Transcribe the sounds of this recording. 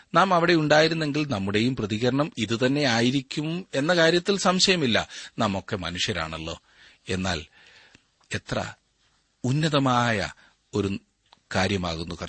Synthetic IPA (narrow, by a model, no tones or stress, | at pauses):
naːmɐʋiɽe̞uɳɖaːjiɾunːe̞ŋɡilnɐmːuɽe̞jumprɐðiɣɐɾɐɳɐmiðɨt̪ɐnːe̞aːjiɾikʲːumme̞nːɐkaːɾjɐt̪ːilsɐmɕɐjɐmilːɐ̰nɐmo̞kːe̞mɐnuʂjɐɾa̰ːɳɐlːo̞̰ː | e̞nːa̰ːl | e̞t̪rɐ̰ | unːɐðɐmaːjɐ̰ | o̞ɾu | kaːɾjɐmaːɣunːukɐ